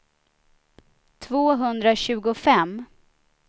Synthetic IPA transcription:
t̪ʰvoːɦɵnd̪ɾaɕʉ̟ːɡʊfɛm

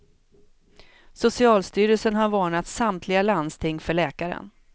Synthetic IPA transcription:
sʊsɪɑːlst̪yːɾəsənhaɾvɑːɳat̪samt̪ʰlɪɡaland̪st̪ʰɪŋːfœɭɛːkaɾə̰n

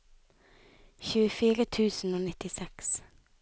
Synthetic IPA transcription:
çʉːəfiːɾət̪ʰʉːsn̩oːnɪt̪ɪsɛks

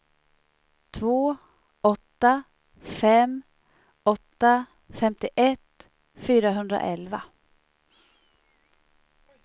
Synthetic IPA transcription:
t̪ʰvoː | ɔt̪ːa | fɛm | ɔt̪ːa | fɛmt̪ɪʔɛt̪ | fyːɾaɦɵnd̪ɾa̰ʔɛlva

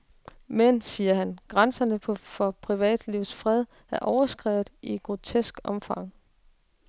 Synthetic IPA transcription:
mensiːɐɦænɡ̥ʁansɐnəpʰɒ̽fɒ̽pʰʁiʋɛ̰ːd̥liʊsfʁɛð̞̰ˠ | æɐʔɒʊɐsɡ̥ʁɛ̰ːʊð̩ˠiɡ̥ʁo̝t͡sʰesɡ̥ɒ̽mfɑ̈ŋ̰

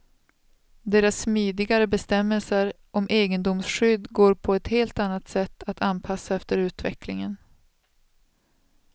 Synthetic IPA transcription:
d̪eːɾasːmiːd̪ɪɡaɾəbɛst̪ɛmːɛlsəɾ | ʔɔmʔeːɡənd̪ʊmsɧʏd̪ɡoːɾpʰɔɛt̪heːlt̪anːat̪sɛt̪ːat̪ʰanpʰasːaɛft̪əɾʉ̟ːt̪vɛ̰klɪ̰ŋən

